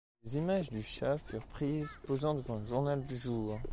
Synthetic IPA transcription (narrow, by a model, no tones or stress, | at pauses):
lezimaʒd̪yʃafyʁpχizpozɑ̃d̪əvɑ̃əʒuʁnald̪yʒuːʁ